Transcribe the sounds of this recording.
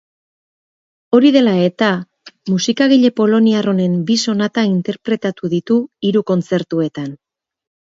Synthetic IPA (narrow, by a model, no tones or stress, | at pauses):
o̞ɾiðe̞lae̞t̪a | musikaɣ̞iʎe̞po̞lo̞niaro̞ne̞mbiso̞nat̪aint̪e̞ɾpɾe̞t̪at̪uðit̪uiɾuko̞nt͡se̞ɾt̪ue̞t̪an